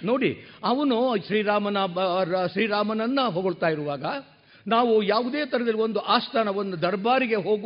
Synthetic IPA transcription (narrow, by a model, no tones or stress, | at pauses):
no̞ːɽḭɐʋɐnuʃɾiːɾaːmɐnɐʃɾiːɾaːmɐnɐnːɐɦoːɡoɭt̪aːjiɾuʋaːɡɐ | naːʋujaːʋud̪eːt̪ɐɾɛd̪ɐlːiʋond̪uʔaːst̪ʰaːnɐʋɐnːud̪ɐɾbaːɾiɡe̞ɦoːɡ